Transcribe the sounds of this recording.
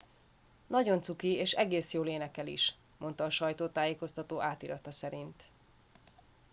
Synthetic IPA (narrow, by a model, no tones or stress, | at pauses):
nɒɟo̞nt̪sukieːʃɛɡeːsjoːleːnɛkɛlḭʃ | mʔo̞nt̪ɒːʃɒjt̪oːt̪aːjeːko̞st̪ɒt̪oːʔaːt̪iɾɒt̪ɒsɛɾint̪